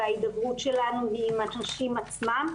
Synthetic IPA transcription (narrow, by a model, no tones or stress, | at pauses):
aid̪abʁutʃelanuveːmanaʃimat͡smam